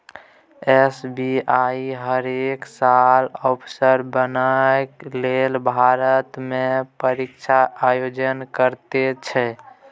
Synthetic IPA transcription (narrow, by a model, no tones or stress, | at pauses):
esbiaiɦəɾeksalɔpʰsəɾbənaklelbʱaɾət̪mepəɾikt͡ʃʰaʔajod͡ʒənkəɾt̪et͡ʃʰɛ